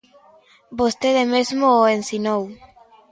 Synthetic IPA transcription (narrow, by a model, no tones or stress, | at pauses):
bost̪eðemezmooensinow